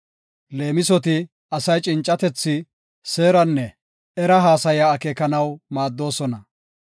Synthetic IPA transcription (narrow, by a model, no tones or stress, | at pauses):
le̞ːmɪsɔt̪ɪ | ɐsɐjt͡ʃʼɪnt͡ʃʼːɐt̪ɛt͡sːɪ | se̞ːɾɐnːɛ | ɛɾɐɦaːsɐjaːkeːkɐnɐwmaːd̪ːo̞ːsɔnɐ